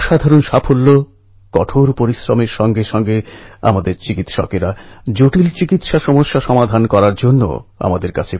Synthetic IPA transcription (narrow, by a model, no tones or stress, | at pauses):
ʃad̪ʱaɾonʃapʰolːo | kɔʈʰoɾpoɾisɾomeɾʃɔŋɡeʃɔŋɡea̰mad̪eɾt͡ɕikit̪ʃɔ̰keɾad͡ʑoʈilt͡ɕikit̪ʃaʃɔmoʃːaʃɔmad̪ʱankɔɾaɾd͡ʑonːo̰a̰mad̪eɾkat͡ɕʰe